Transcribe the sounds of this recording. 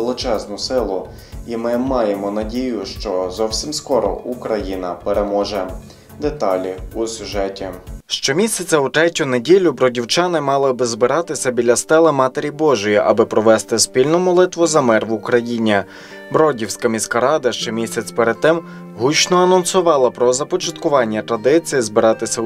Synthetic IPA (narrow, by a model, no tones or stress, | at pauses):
elˠɪt͡ʃɛznʊsɪlˠʊ | imɪmɑjemɔnɐdʲijʊʃt͡ʃɔzɔwsʲimskɔɾɔ̰ukɾɐjinɐpeɾemɔʒɛ | d̪et̪ɑlʲiusʲʊʒɛtʲiʃt͡ʃɔmʲisʲɐt͡sʲɐut̪ɾɛtʲʊnedʲilʲʊbɾɔdʲiwt͡ʃɑnɪmɑlˠɪbɪzbɪɾɑt̪ɪsʲɐbʲilʲɐst̪ɛlˠɪmɑt̪eɾʲibɔʒʊjiʔɐbɪpɾɔʋɛst̪ɪspʲilʲnɔmɔlˠɪt̪ʋɔzɐmɛrʋʊkɾɐjinʲi | bɾɔdʲiwsʲkɐmʲisʲkɐɾɑd̪ɐʃt͡ʃɛmʲisʲɐt͡sʲpeɾed̪̚t̪ɪm | ɦut͡ʃnɔɐnɔnsʊʋɑlˠɐpɾɔzɐpɔt͡ʃɐt̪kʊʋɑnʲːɐt̪ɾɐd̪ɪt͡sʲijizbɪɾɑt̪ɪsʲɐ